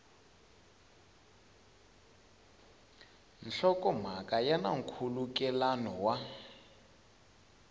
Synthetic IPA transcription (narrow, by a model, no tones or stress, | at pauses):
nɬɔkɔm̤akʼajana̰ŋkʰulukɛlanɔwa